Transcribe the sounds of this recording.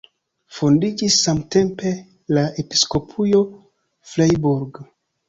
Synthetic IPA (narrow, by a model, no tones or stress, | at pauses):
fundid͡ʒisːamte̞mpe̞ | lae̞pi̥sko̞pʰujo̞ | flajbuɾɡ